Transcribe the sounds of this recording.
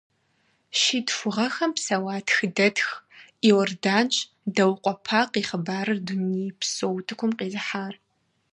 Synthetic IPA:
ʃiːtfʷʊʁɐxɐmpsɐwaːtʰxɨdɐtxiwɔrdaːnt͡ʃʼ | dɐwqʷʼɔpʰaːqiːχəbaːɾɨrdʊniːpsowtʰɨkʷʊmqiːzɨħaːr

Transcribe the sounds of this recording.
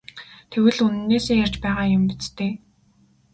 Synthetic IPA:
t̪ʰewɘ̆ɮunɘ̆nːeːseːjar̥t͡ɕpæːʁaːjʊmpit͡st̪eː

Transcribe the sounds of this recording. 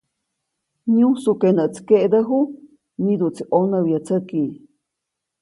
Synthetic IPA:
ɲũsukenəʔt͡skeʔd̪əɦu | nid̪uʔt͡siʔonəwjat͡sʰəki

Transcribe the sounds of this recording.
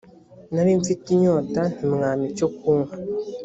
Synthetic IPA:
naɾiɱfitiɲoːtan̥imŋaːmicokʰuːŋha

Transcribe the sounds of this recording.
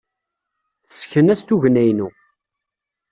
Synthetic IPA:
θə̥sçənæst̪uʝənæjnu

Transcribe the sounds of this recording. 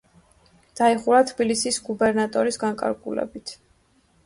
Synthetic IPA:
d̪̥aiχuɾat̪ʰbilisisɡubɛɾnat̪ʼɔɾisɡaŋkʼa̰ɾɡṵlɛ̰bit̪ʰ

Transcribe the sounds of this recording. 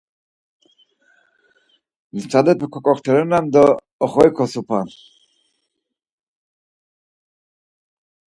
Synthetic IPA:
nit͡sʰad̪ɛpʰɛkʰɔkʼɔχt̪ʰɛɾɛnamd̪ɔː | χɔikʰɔsupʰan

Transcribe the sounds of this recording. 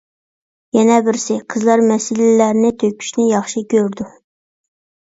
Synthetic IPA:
jɛnɛbɪɾsɪqʰəzlˠɑɾmɛsɪlɪːæɾnɪt̪ʰøkʲʰy̥ʃnɪjɑχʃɨkʲʰøɾd̪u

